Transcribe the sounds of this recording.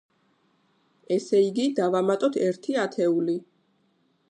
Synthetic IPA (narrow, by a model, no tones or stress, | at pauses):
ɛsɛiɡid̪avamat̪ʼɔt̪ʰɛɾt̪ʰiat̪ʰɛuli